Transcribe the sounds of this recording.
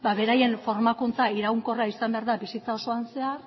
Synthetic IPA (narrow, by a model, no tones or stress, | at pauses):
baβe̞ɾaje̞nfo̞ɾmakunt͡saiɾauŋko̞raisambe̞aɾðabisit͡sao̞so̞anse̞ar